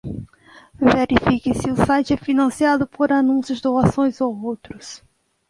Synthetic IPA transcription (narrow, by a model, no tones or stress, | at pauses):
veɾifikisɪusajt͡ʃɛfinɐ̃siaðʊpʰoɾanũsjʊzd̪oasõj̃zowowt̪ɾʊs